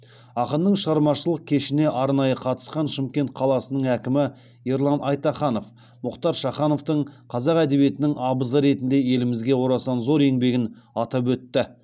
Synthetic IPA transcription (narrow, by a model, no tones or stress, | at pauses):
ɑqənːəɴʃəʁɑɾmɑʃəlˠəq̚kʲʰe̞ʃɪne̞ʔɑɾnɑjəqʰɑt̪ə̥sqɑnʃɪmkʲe̞nt̪̚qʰɑlˠɑsənəɴækʲɪmɪ | jeɾlˠɑnɑjt̪ɑχɑno̞f | mʊqt̪ɑɾʃɑχɑno̞ft̪əɴqʰɑzɑqæd̪e̞βije̞t̪ɪnɪŋɑbəzəɾe̞t̪ɪnd̪e̞je̞lɪmɪzɡʲe̞wo̞ɾɑsɑnzo̞ɾe̞ŋbe̞ɡʲɪn | ɑt̪ɑp̬wɵt̪ːɪ